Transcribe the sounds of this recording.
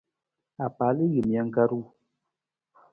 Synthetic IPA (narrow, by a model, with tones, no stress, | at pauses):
a˨pa˨˦li˦ɣɨ˨mja˦ŋ̩˦ka˦ɾu˦˨